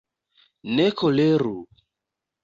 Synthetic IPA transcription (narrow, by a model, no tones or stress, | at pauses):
nekʰoleɾu